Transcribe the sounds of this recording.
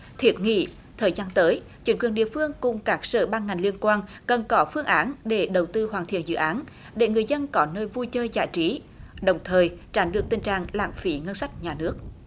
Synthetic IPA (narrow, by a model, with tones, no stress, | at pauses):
t̪ʰi˨˦˥ət̚ŋḭ˧˨ | t̪ʰəː˨˩jzaː˧nt̪əː˨˦j | t͡ɕï˨˥˦ŋ̟kwi˨˩ənɗḭ˧˨əfɨ˧əŋkʊ˨˩ŋ͡mkaː˦˥k̚sə̰ː˧˩ɓaː˧nŋa˨˩jŋ̟li˧ənkwaː˧n | kə˨˩nkɔ˨˦fɨ˧əŋʔaː˨˦nɗe˧˩ɗə˨˩wt̪ɨ˧ɦwaː˨˩nt̪ḭ˧˨ənzɨ̰˧˨ʔaː˨˦n | ɗe˧˩ŋɨ˨˩əjzə˧nkɔ˨˦nəː˧jvu˧jt͡ɕəː˧jza̰ː˧˨jt͡ɕi˨˦ | ɗə˨˩wŋ͡mt̪ʰəː˨˩jt͡ɕaː˨˦nɗɨ˨˩ək̚t̪ï˨˩ŋ̟t͡ɕa̰ː˧˨ŋla̰ː˧˨mfi˨˦ŋə˧nsa˦˥jk̚ɲaː˨˩nɨ˦˥ək̚